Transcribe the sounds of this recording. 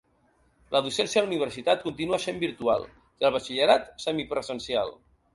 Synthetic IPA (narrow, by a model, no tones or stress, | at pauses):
lʔəðusɛnsjaluniβ̞əɾsit̪at̪̚kunt̪inuasembiɾt̪ua̰lˠ | iəlˠβət͡ʃiʎəɾat̪səmipɾəzənsia̰lˠ